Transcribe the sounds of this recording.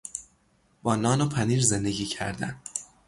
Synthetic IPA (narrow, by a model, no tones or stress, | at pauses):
b̥ɒːnɒːnopʰæniːɾze̞nd̪e̞ɟʲiːcʰæ̰ɾd̪æ̰n